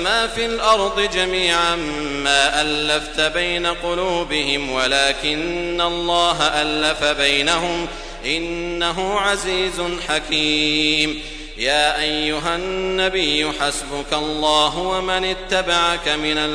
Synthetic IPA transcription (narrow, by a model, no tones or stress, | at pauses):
maːfilʔɑɾˤd̪ˤɨd͡ʒamiːʕamː | aːʔalːaft̪abajnaqʊluːbɪɦɪmwalaːkɪnːalˤːɑːɦaʔalːafabajnaɦʊm | ʔɪnːaɦʊʕaziːzʊnħakiːm | jaːʔajːʊɦanːabɪjːʊħasbʊkalˤːɑːɦʊwamanɪt̪ːabaʕakamɪnal